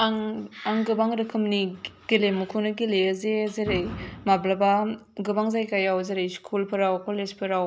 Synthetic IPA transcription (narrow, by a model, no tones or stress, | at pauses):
aŋaŋɡɯbaŋɾɯkʰɯmniɡ̥ilemukʰunɯɡileɐzezeɾejmablabaɡɯbaŋzajkajawzeɾejskʰulpʰɯɾawkolezpʰɯɾaw